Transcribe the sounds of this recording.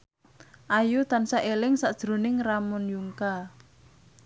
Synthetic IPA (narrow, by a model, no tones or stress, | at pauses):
ʔajut̪ansaʔelɪŋsaʔd̥ʒ̥ɾo̤nɪŋramʊnjuŋka